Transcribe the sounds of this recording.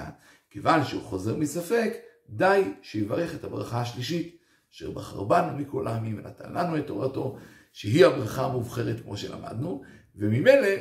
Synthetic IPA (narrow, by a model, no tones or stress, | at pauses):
a̰ | kevanʃeuχo̞ze̞ʁmisafe̞k | d̪ajʃejivaʁe̞χethabʁaχaːʃliʃit | aʃḛʁbaχa̰ʁbanumikolʔaminvḛna̰t̪a̰nlanuet̪ːo̞̰ʁato̞ | ʃeɦiabʁaχaːmuvχe̞ʁet̪kmʔo̞ʃe̞̰la̰ma̰d̪nuvemime̞le̞